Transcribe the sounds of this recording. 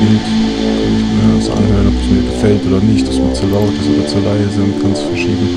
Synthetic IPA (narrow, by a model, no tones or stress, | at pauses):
ɪnt | ç̥əhaːəsʔa̰nhøːʁənɔpə̥smiːɐɡəfɛltʔoːdɐnɪçtasiːɐt͡suːɐlaʊtso̰ːdɐt͡suːɐlaɪəzantɡ̥anstfɛɐʃḭːbm̩